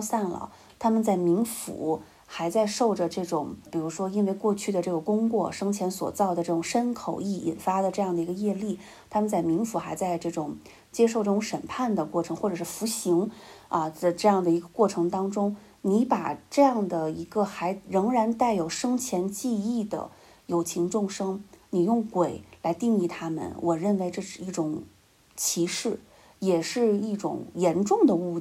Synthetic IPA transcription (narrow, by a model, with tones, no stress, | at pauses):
sa˥˩nlə̰˩ | t̪ʰa˥mə˨nt͡sa˥˩ɪmi˧˥ŋfṵ˨˩˦ | xa˧˥ɪt͡sa˥˧ɪʂo˥˩ʊʈ͡ʂə˩ʈ͡ʂɤ˥˩ʈ͡ʂʊ˨˩ŋpi˨˩ɻu˧˥ʂwɔ˥i˥nwe˥˧ɪkwɔ˥˧t͡ɕʰy˥˩d̪ə˩ʈ͡ʂɤ˥˩ɡə˩kʊ˥ŋkwɔ˥˩ʂɤ˥ŋt͡ɕʰjɛ˧˥nswɔ̰˨˩t͡sɑ˥˩ʊd̪ə˩ʈ͡ʂɤ˥˩ʈ͡ʂʊ˨˩ŋʂə˥nkʰo˨˩ʊi˥˩ḭ˨˩nfa˥d̪ə˨˩ʈ͡ʂɤ˥˧jɑ˥˩ŋd̪ə˩i˧˥ɡə˧jɛ˥˧li˥˩ | t̪ʰa˥mə˨nt͡sa˥˩ɪmi˧˥ŋfu˧˥xa˧˥ɪt͡sa˥˧ɪʈ͡ʂɤ˥˩ʈ͡ʂʊ˨˩ŋ | t͡ɕjɛ˥ʂ̬o˥˧ʈ͡ʂɤ˥˩ʊ˧˥ŋʂə˨˩npʰa˥˩nd̪ə˩kwɔ˥˩ʈ͡ʂʰɤ˧˥ŋxwɔ˥˩ʈ͡ʂɤ˨˩ʂɻ̩˥˩fu˧˥ɕi˧˥ŋɐ˧d̪ə˧ʈ͡ʂɤ˥˧jɑ˥˩ŋd̪ə˩i˧˥ɡə˧kwɔ˥˩ʈ͡ʂʰɤ˧˥ŋt̪ɑ˥ŋʈ͡ʂʊ˥ŋ | ni˧˥pa˨˩ʈ͡ʂɤ˥˧jɑ˥˩ŋd̪ə˩i˧˥ɡə˧xa˧˥ɪɻɤ˧˥ŋɻa˧˥nt̪a˥˩ɪjo˨˩ʊʂɤ˥ŋt͡ɕʰjɛ˧˥nt͡ɕi˥˧i˥˩d̪ə̰˩ | jo˨˩ʊt͡ɕʰi˧˥ŋʈ͡ʂʊ˥˩ŋʂɤ˥ŋni˨˩jʊ˥˩ŋkwe˨˩˦ɪla˧˥ɪt̪i˥˧ŋi˥˩t̪ʰa˥mə̰˨nwʔɔ˨˩ɻə˥˩nwe˧˥ɪʈ͡ʂɤ˥˧ʂɻ̩˥˧i˥˩ʈ͡ʂʊ˨˩ŋ | t͡ɕʰi˧˥ʂɻ̩˥˩ | jɛ˨˩ʂɻ̩˥˧i˥˩ʈ͡ʂʊ̰˨˩ŋjɛ˧˥nʈ͡ʂʊ˥˩ŋd̪ə˩u˥˧